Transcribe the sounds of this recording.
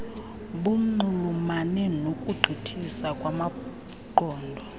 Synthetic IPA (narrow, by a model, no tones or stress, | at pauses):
ɓum̩ŋ͡ǀuŋ͡ǃumanɛnokʼuɡ͡ǃʱitʰisakʼwama | ǃʱɔːndʱɔ